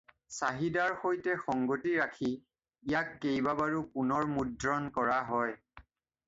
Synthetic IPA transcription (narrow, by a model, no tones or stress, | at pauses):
saɦidaɹxojtɛxɔŋɡotiɹakʰi | ijakːejbabaɹukunɔɹmudɹɔnkɔɹaɦɔj